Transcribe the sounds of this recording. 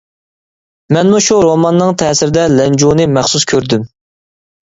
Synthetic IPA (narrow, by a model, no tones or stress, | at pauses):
mɛnmuʃuɾomɑnːɨŋt̪ʰɛːsɪɾɪd̪ɛlɛnd͡ʒunɨmæχsuskʲʰøɾd̪ym